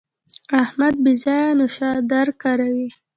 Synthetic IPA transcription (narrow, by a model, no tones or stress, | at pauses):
ahmad̪̚bizɑjanʊʃɑd̪aɾkaɾawi